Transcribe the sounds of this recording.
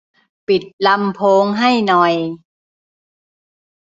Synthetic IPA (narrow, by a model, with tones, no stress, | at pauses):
pi˨˩t̪̚la˧˥mpʰoː˧˦˥ŋɦa˥˩jnɔ˨˩j